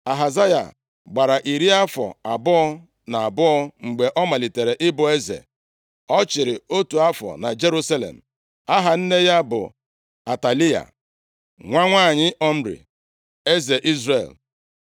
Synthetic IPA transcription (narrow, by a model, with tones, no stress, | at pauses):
a˨ɦa˨za˦ja̰˨ | ɡ͡ba˨ɾa˨ʔi˨ɾi˦a˦fɔ̰˨a˨bʊ˦ɔ˦ | na˨a˨bʊ˦ɔ˦ŋ͡m̩˨ɡ͡be˨ʔɔ˦ma˨li˨te˨ɾe˨ʔɪ˦bʊ˨e˦zḛ˨ | ɔ˦t͡ʃɪ˨ɾɪ˨o˦tu˨a˦fɔ̰˨na˨d͡ʒe˦ɾu˦sa˦lḛ˨m̩˨ | a˦ɦa˨n̩˦ne˦ja˦bʊ̰˨ | a˨ta˨li˦a̰˨ | ŋʷa˦ŋʷaː˦˨ɲɪ˦ʔɔ˦m̩˦ɾḭ˨ | e˦ze˨ʔi˦zɾḛ˦˨l